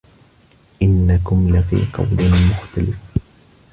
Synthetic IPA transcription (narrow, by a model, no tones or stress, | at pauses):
ʔɪnːakʊmlafḭːqɑ̰wd̪ɪmʊxt̪alɪf